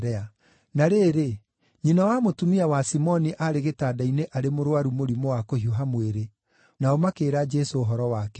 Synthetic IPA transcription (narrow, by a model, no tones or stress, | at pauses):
ɾɛa | naɾeːɾe | ɲinawamotumiawasimɔniʔaɾeɣetaːdaineʔaɾemoɾowaɾumoɾimowakohioɦamweɾe | naomakeːɾad͡ʒɛsoːɦɔɾɔwakɛ